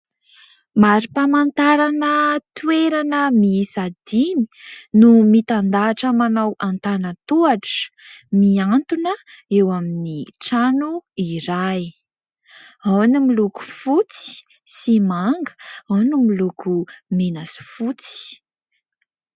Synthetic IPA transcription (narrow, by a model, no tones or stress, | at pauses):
maɾipamant̪aɾanət̪ueɾanəmisad̪ini̥numit̪and̪aːʈ͡ʂəmanawant̪anət̪uaʈ͡ʂə̥miant̪unəewaminiʈ͡ʂanuiɾaj | awnimiluku̥fut͡si̥ | simaŋɡə̥awnimilukumenasi̥fut͡si̥